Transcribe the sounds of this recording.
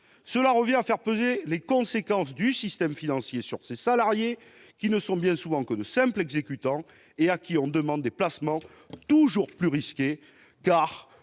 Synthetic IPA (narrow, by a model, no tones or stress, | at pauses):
səlaʁəvjɛ̃afɛʁpøzelekɔ̃sekɑ̃s̬d̪ysist̪ɛmfinɑ̃sjesyʁsesalaʁje | kʲinəsɔ̃bjɛ̃suvɑ̃kəd̪əsɛ̃mplɛɡzekʲyt̪ɑ̃ | eakʲʰiɔ̃d̪əmɑ̃d̪ːeplasmɑ̃ | t̪uʒuʁplyʁiskʲe | kaʁ